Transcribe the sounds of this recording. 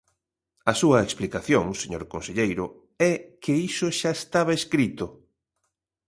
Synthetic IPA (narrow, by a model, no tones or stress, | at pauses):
ɐsuɐeksplikaθjoŋseɲoɾkonseʎejɾʊ | ɛkʰeisoʃaest̪aβɐeskɾit̪ʊ